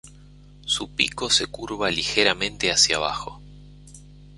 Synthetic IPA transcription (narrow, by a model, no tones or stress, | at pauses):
supḭko̞sekuɾβalixeɾamẽnt̪easja̰β̞a̰xo̞̰